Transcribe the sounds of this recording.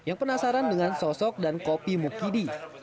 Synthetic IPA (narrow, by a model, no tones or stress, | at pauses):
jaŋpənasaɾandəŋansɔsɔk̚dankopimukidi